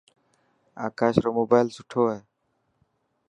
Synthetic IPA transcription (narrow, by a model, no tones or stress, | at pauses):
a̰kaʃɾɔmobajlsuʈʰoaj